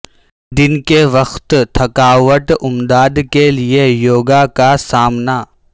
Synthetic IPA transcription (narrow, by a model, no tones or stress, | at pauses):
d̪ɪnkeʋɐxt̪t̪ʰɐkaːʋəʈʊmd̪aːd̪keliejoːɡakasaːmna